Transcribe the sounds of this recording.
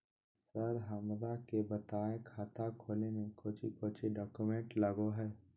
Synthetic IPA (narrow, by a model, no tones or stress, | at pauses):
səɾɦəmɾakebət̪aːekʰaːt̪akʰoːlenekoːt͡ʃʰikoːt͡ʃʰiɖɔːkumẽɳʈləɡoɦɛː